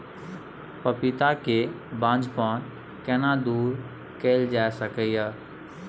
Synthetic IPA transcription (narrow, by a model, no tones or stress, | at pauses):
pəpɪt̪ake | bãːd͡ʒpaːn | kɛnad̪uːɾ | keːld͡ʒaːesəkəjaː